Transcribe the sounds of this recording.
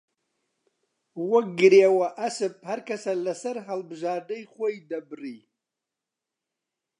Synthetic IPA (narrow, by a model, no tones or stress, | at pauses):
wɐk̚ɡɨɾewɐʔɐsɨp̚hɐɾkɐsɐlɐsɐɾɦɐlbɨʒɑːɾd̪ɐjxʷojd̪ɐbɨriː